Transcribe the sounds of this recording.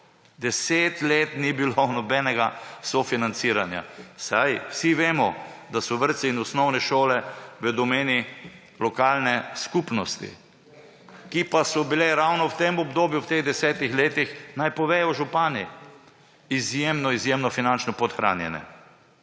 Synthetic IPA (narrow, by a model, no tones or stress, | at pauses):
d̪ɛseːt̪leːt̪nibilonɔbɛːnɛɡasɔfinant̪siɾanja̰sajwsiʋeːmɔd̪asɔʋəɾt̪siːnɔsnɔwnɛʃoːlɛʋəd̪ɔmeːni | lɔkaːlnɛskupnɔst̪ḭ | kipasɔbilɛɾawnɔwt̪emɔbd̪oːbjuwt̪eɣd̪ɛsɛːt̪ixleːt̪ixnajpɔʋɛːjɔʒupaːni | izjemnɔizjeːmnɔfinant͡ʃnɔpɔt̪xɾʔa̰ːnjɛnɛ̰